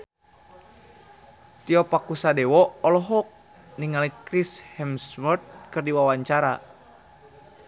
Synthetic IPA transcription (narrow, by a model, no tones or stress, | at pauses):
t̪iɔpakusadɛwɔɔlɔɦɔk̚ | niŋalikɾishɛmsmɔrt̪̚kɨrdiwawaɲt͡ʃaɾa̰